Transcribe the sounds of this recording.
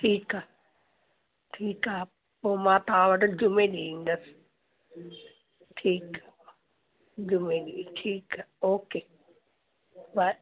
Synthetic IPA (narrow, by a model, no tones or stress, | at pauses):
ʈʰiːkaː | ʈʰiːkaɦ | poːmãːt̪ɐʋãʋɐʈd͡ʑʊmẽɗiĩːnd̪əsɪ̥ | ʈʰiːka | d͡ʑʊmẽɗiʈʰiːkaoːkeː | ʋa